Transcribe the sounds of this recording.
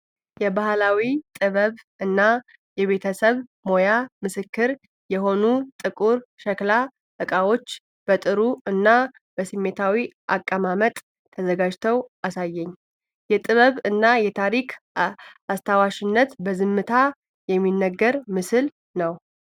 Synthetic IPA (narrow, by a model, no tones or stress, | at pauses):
jɛbahlawit̪ʼɨβəβ | ɨnːa | jɛβe̞t̪ʰəsəβmo̞jamɨsɨkːɨɾ | jɛɦo̞nut̪ʼɨkʼuɾʃɛkla | ɨkʼawo̞t͡ʃː | b̥ət̪ʼɨɾuɨnːa | b̥əsimːet̪ʰawiʔa̰kʼːəmamət̪ʼʰː | əzəɡad͡ʒt̪ʰəwʔasajːɛɲː | jɛt̪ʼɨβəβɨnːajɛt̪ʰaɾikʰ | ast̪ʰawaʃɪnːət̪bəzɨmːɨt̪ʰa | jɛmːinːəɡːəɾmɨsɨl | nəw